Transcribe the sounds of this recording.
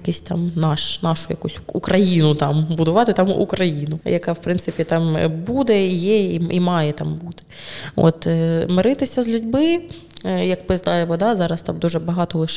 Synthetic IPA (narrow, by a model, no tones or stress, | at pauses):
kʲisʲtʲt̪a̰mnɑʃnɑʂʊ̥jɐ̰kusʲukɾɐjinʊt̪ɑmbʊd̪ʊʋɑt̪ɪt̪amṵkɾɐjinʊjɐkawpɾɪnsɨpʲit̪ɑmbud̪ɛjɛiimɑjɛt̪ambut̪ɪ̥ | o̰t̪mɐɾɪt̪ɪsʲɐzʲlʲʊdʲbɪ | jɐkpɨzd̪ɑjɛmɔd̪azɑɾɐst̪amd̪uʒɛbɐɦɑt̪ɔlˠɪʃ